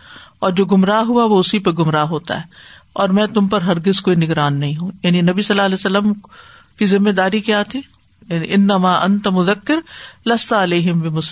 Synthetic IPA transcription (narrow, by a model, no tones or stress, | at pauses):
ɔːɾd͡ʒoːɡʊmɾaːɦuaʋoʊsipeɡʊmɾaːɦoːt̪a̰ɦɛː | ɔːɾmɛ̃ːt̪ʊmpɐɾɦɐɾɡɪzkoːinɪɡɾaːnːɐɦĩɦũːjaːninɐbisɐlːaːlɛːsɐlːəm | kizɪmːeːd̪aːɾikjaːt̪ʰi | jaːnḭʔɪnːɐmaːʔɐ̃nt̪ɐmʊðɐkːɪɾlɐst̪aɐleːɦɪmbɪmʊs